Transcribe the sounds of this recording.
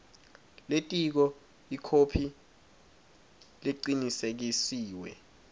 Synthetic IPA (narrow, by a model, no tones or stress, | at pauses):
letʼik̬ɔ | ikʰopʰi | leǃinisek̬isiːwɛ̰